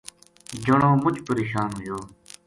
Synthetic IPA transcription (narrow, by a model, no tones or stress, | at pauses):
d͡ʑəɳõːmʊt͡ʃpəɾeːʃaːnɦʊjoː